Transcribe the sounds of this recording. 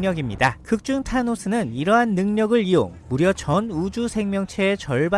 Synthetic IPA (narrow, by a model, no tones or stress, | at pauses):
ɲʌɡimɲidakɯk̚t͡ɕ͈uŋtʰanosʰɯnɯniɾʌɦanːɯŋɲʌɡɯɾio̰ŋmuɾjʌt͡ɕʌnud͡ʑusʰe̞ŋmjʌŋt͡ɕʰe̞ːt͡ɕʌɭba